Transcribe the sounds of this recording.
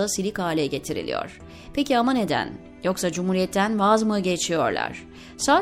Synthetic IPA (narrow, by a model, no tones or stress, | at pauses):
asilʲikaːlʲɛɟe̞t̪ʰiɾḭlʲḭjo̰ɾ̥ | pʰeciamane̞d̪æ̰n | jo̞ksad͡ʒumhuːɾijɛt̪ʰːænvazmɯɟet͡ʃʰijoɾlˠa̰ɾ̥ | saː